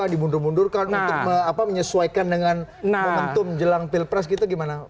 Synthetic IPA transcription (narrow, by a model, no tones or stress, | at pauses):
adimundʊrmundʊrkanunt̪ʊk̚məapaməɲəsuaikandəŋanməmənt̪ʊmd͡ʒəlaŋpilpɾɛsɡit̪uɡimana